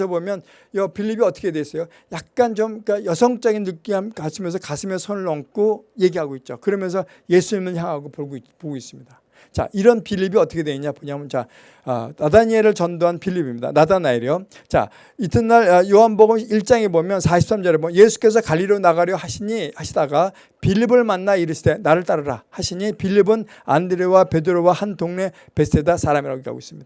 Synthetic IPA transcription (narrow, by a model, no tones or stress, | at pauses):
sʰʌbomjʌn | jʌpiʎːibiʌt͈ʰʌ̥kʰedwes͈ʌjo | jak̚k͈ant͡ɕomk͈ajʌsʰʌŋt͡ɕ͈ʌɡinːɯk͈iɦakasʰimjʌnsʰʌkasʰimjʌsʰonɯɭʌŋk͈oje̞ɡiɦaɡoit̚t͡ɕ͈okɯɾʌmjʌnsʰʌ | je̞sʰuɲimɯɭçjaŋɦaɡopoɡopoɡois͈ɯmɲida | t͡ɕa̰ʔiɾʌnpiʎːibiʌt͈ʰʌkʰedweɲiɲapoɲamɯnt͡ɕa | ʌ̰nadaɲieɾɯɭt͡ɕʌndoɦanpʰiʎːibimida̰nadanaiɾjo | t͡ɕa̰ | itʰɯnːaɾʌjoɦanboɡɯmiɭt͡ɕ͈aŋebomjʌnsʰaɕʰi̥ps͈amd͡ʑʌɾebomjʌje̞sʰu̥k͈e̞s̬ʰʌkaʎːiɾonaɡaɾjʌɦaɕʰiɲihaɕʰidaɡa | pʰiʎːibɯɭmanːaiɾɯɕʰite̞naɾɯɭt͈aɾɯɾahaɕʰiɲipʰiʎːibɯn | a̰ndɯɾiwape̞dɯɾowahandoŋne̞ | pe̞stʰedasʰaɾamiɾaɡokea̰ɡo̰is͈ɯ̥mɲidaa